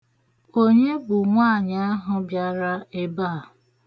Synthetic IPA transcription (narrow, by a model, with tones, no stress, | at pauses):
o˦ɲe˦bʊ˨ŋʷa˦˨ɲa˦a˦ɦʊ˨bja˨ɾa˦e˦baː˦˨